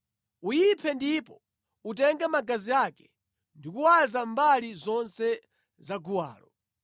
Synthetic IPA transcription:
ujipʰɛndipɔ | utɛŋɡamaɡaziaːkɛ̥ | ndikuwazambalizɔnsɛ | zaɡuwa̰ːlɔ

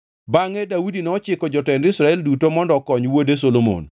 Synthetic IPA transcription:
baŋɛdawudinɔɔt͡ʃɪkɔd͡ʒɔtɛndɪsɾaɛldutomɔndɔkɔɲwodes̬olomo̰n

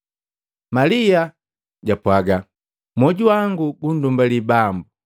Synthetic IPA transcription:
malia | ɟapwaɡa | mɔɟuwaŋɡuɡun̩dumbalibambu

